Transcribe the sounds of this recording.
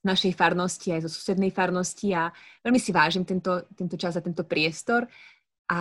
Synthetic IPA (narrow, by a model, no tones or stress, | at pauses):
naʃɛjfaɾnɔsciajzɔsu̥sɛd̪nɛjfaɾnɔsciaʋɛlmisiʋaːʒimt̪ɛnt̪ɔt̪ɛnt̪ɔt͡ʃaznat̪ɛnt̪ɔpɾɪɛst̪ɔɾ | ʔa